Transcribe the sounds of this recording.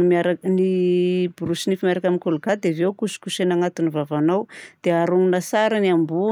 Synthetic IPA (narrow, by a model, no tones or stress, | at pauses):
maɾanibuɾusinifameɾakaminkolɡad̪evewkusu̥kusenaŋat̪uinivavanawd̪̥eaɾuŋunasaɾaniambu